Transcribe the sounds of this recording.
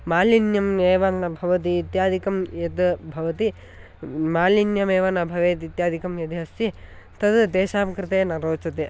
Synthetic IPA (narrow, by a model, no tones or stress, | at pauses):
maːlinjɐmeːʋɐnɐbʱɐʋɐt̪̬iːt̪jaːd̪ʱikɐmjɐd̪bʱɐʋɐt̪i | maːlinjɐmeːʋɐnɐbʱɐʋeːt̪it̪jaːd̪ʱikɐmjɐd̪iɦɐst̪i | t̪ɐd̪d̪eːʃaːmkɾɪt̪eːnɐɾoːt͡ʃɐt̪e